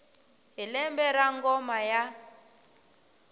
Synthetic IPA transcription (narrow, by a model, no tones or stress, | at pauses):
ɦilɛmbɛɾaŋɡɔmaja